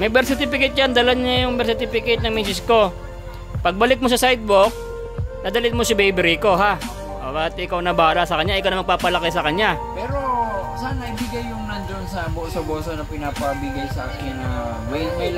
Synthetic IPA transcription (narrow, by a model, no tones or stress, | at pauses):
mɐjbɛɾsɪt̪ɪpɪkɛjt̪̚jand̪ɐlaɲajʊŋbɛɾsɪt̪ipɪkejt̪̚nɐŋminsɪsko̞ | pɐɡ̚bɐlɪk̚mosɐsajd̪̚bok̚ | nɐd̪ɐlɪt̪̚mosɐbejbɛɾiko̞ɦa | ʔobat̪ɪʔɪkawnɐbaːɾasɐkɐɲːaʔɪkawnɐmɐɡ̚paːpɐlɐkɛsɐkɐɲa | pɛːɾosanːɐʔibɪɡajːʊŋnɐnd͡ʒonsɐboːsɐboːsonɐpɪnapɐbɪɡajsɐʔaːkɪnːɐ | mɐjmɐ